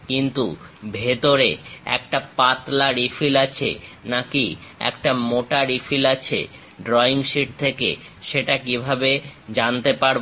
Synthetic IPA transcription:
kint̪ṵbʱet̪oɾeɛ̰k̚ʈapat̪laɾifʰilat͡ɕʰḛnakiɛ̰kʈamoʈaɾifʰilat͡ɕʰḛ | ɖɾɔiŋʃiʈ̚t̪ʰekḛ | ʃeʈakibʱabed͡ʑant̪epaɾ

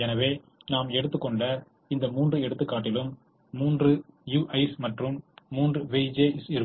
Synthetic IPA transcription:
ɛnɐʋeː | naːmɛɽɯt̪ːɯkːɔɳɖɐ | ɪnd̪ɐmuːndrɯɛɽɯt̪ːɯkːaːʈːɪlɯmː | uːndrɯjuːʔɐɪsmɐʈrɯmːuːndrɯʋeːd͡ʒeːɪsɪɾɯ

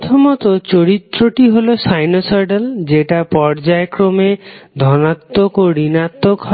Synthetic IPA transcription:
t̪ʰɔmɔt̪ɔt͡ʃoɾit̪ɾoʈiɦolosajnosɔɾɖeld͡ʒeʈapɔɾd͡ʒaekɾomed̪ʱɔnat̪ːokoɽinat̪ːokɦɔ

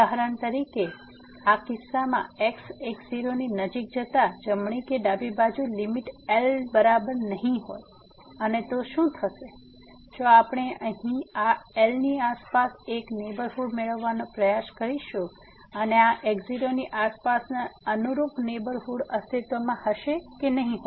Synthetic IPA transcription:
əɦɾənt̪əɾike | akɪsːamã̰eksekziɾoninəd͡ʒik̚d͡ʒət̪ad͡ʒəmɳ̃ikeɖabibad͡ʒulimiʈelbəɾabəɾnəɦĩɦo̰j | ənet̪oʃũt̪ʰəʃe | d͡ʒoapɽ̃eʔəɦĩaelniaspaseknebəɾfuɽmeɭəʋːanõpɾəjaʃkəɾiʃu | əneaʔekziɾoniʔaspasnaənuɾupnebəɾfuɽəst̪ʰit̪ʋomãhəʃekenəɦĩɦo

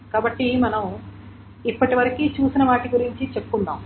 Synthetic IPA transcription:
kaːbɐʈːimɐnɐm | ipːɐʈiʋɐɾɐkiːt͡ʃuːsinɐʋaːʈiɡuɾiɲt͡ʃit͡ʃe̞pːkund̪aːm

